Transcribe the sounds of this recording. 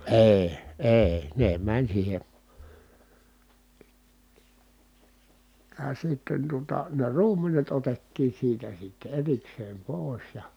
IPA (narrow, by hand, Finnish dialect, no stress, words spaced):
eˑi̯ eˑi̯ ne mænʲ siːhe jɑ sitːen tuotɑ ne ruːmenet otetːiːn̞ siːtæ sitːe erikseːm poˑi̯s jɑ